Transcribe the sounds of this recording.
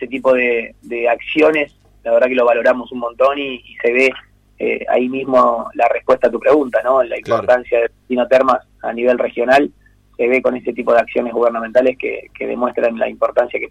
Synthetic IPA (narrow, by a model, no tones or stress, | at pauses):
eset̪̬ipo̞ðed̪eaksjo̞ne̞s | laβeɾðakeloβalo̞ɾamo̞sunmont̪o̞niːse̞βe | ḛa̰imizmo̞larehpwe̞st̪aːt̪upɾe̞ɣunt̪ano̞laimpoɾt̪ansjaðeet̪inot̪eɾmas | a̰niβe̞lrexjo̞nal | se̞βe̞konese̞t̪ipo̞ðeaksjonezɣuβeɾnamẽnt̪aleskḛkḛðḛmwe̞st̪ɾanla̰impo̞ɾt̪ansjake